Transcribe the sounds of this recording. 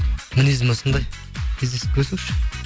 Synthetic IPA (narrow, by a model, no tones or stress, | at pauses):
munizmosənd̪ɑj | kʲʰezd̪esɪ̥kʲʰɵsuʃ